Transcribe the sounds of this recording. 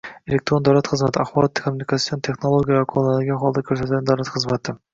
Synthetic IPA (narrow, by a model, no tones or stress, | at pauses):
elʲekt̪ɾo̞nd̪ɑɾˠɑt̪qʰɨzmɑt̪ɪɑχbɑɾat̪ːkʰomunʲikat̪sijont̪ʰeχnolˠoɡʲijavakʰolˠnɑd̪ɪɡʲɪqʰɔlˠd̪ɑkʲʰɵɾsɛt̪ɛnd̪ɑwlˠɑt̪qʰɯzmɑt̪ɨ